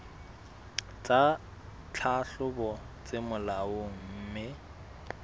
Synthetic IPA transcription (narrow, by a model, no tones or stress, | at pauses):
t͡sʼa | t͡ɬʰaɬʊbɔ | t͡sʼemʊlaʊŋ̩ːmɪ